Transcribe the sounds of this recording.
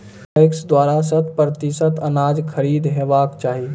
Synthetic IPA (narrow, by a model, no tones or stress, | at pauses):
ɪksd̪waːɾasət̪pɾət̪isət̪ʰənaːd͡ʒkʰəɾiːd̪ɦeːʋaːkt͡ʃaːɦi